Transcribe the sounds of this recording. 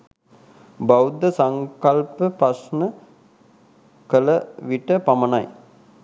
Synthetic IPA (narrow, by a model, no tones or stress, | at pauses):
bawd̪əsaŋkalpəpɾasnə | kələʋiʈəpamənaj